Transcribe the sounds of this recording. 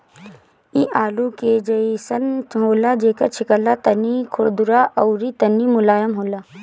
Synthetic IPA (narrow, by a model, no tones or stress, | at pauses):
iʔaːluked͡ʒɐisɐnɦoːlad͡ʒeːkɐɾt͡ʃʰɪkəlːat̪ɐnikʰʊɾd̪ʊɾaʔɐʊɾit̪ɐnːimʊlaːjəmɦoːlaː